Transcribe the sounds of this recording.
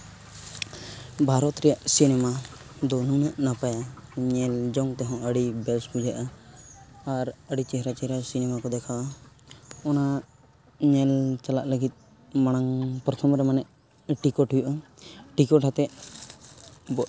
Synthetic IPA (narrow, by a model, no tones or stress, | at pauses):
bʱaɾɔt̪ɾɛjaʔsinɛma | d̪ɔnunəʔnapajaɲɛld͡ʒɔŋt̪ɛɦɔ̃əɽibɛlsbud͡ʒaʔaː | ɾəɽit͡ʃɛɦɾat͡ʃɛɦɾasinɛmakɔd̪ɛkʰaa | ɔna | ɲɛlt͡ʃalaʔləɡit̪̚ˀ | maɽ̃aŋpɔɾt̪ʰɔmɾɛmanɛʔ | ʈikɔʈʰujuʔaʈikɔʈʰat̪ɛʔ | bɔ